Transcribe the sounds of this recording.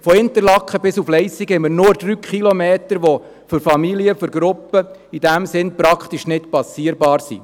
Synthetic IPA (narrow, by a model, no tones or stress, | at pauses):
fɔɪnt̪əɾlɑkχəbɪsuflɛɪsiɡɛmənʊɾd̥̪ɾyːkχilomeːt̪əɾʋɔ | fɨɾfɑmiliəfyɾɡɾʊpːə | id̥̪æmsɪnpɾɑkχt̪iʃnɪtpɑsiəɾbɑːɾsḭ